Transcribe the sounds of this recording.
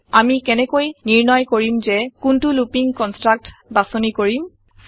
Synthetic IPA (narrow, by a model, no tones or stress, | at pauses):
amikɛnɛkojniɹnɔjkoɹimzɛkuntulupiŋkɔnstɹak̚tbasɔnikoɹim